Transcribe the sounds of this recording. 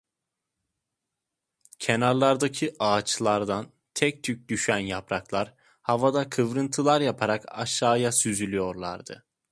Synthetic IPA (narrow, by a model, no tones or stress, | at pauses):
cʰenaɾlˠaɾd̪acʰiʔaːt͡ʃlˠaɾd̪an | t̪ʰɛc̚t̪ʰyc̚d̪yʃænjapɾaklˠaɾ | havad̪akʰɯvɾɯnt̪ʰɯlˠaɾjapʰaɾaka̰ʃːaːjasyzylʲyjo̞ɾlˠa̰ɾd̪ɯ̰